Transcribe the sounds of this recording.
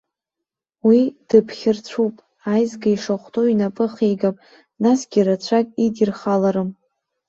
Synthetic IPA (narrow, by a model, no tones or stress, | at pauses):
wid̥ɨpʰχʲɪrt͡ɕʷʰupʼ | ajzɡaiʂaχʷtʼoinapʼɨχejɡapʼ | nasɡʲiɾat͡ɕʷʰakʼidirχalaɾɨm